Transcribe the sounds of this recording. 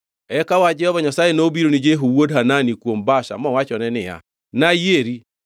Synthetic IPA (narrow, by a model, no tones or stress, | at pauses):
ɛkawad͡ʒɛhɔβaɲasajenobiɾonid͡ʒeɦowodɦananikwombaʃa̰mɔwat͡ʃɔnɛnɪa̰ | najeɾi